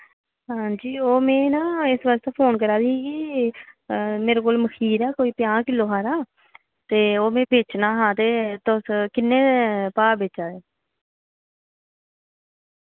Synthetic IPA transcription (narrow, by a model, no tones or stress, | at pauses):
ɦãːd͡ʒiːoːmẽːnãːɪsʋəst̪aːpʰoːnkəɾaːd̪iːɡiː | meːɾeːkoːlməkʰiːɾɛːkoːiːpɪjãːkɪlːoːɦaːɾaː | t̪eːoːmẽːbeːt͡ʃnaːɦãːt̪eːt̪ʊskɪnːeːpaːbeːt͡ʃaːd̪eː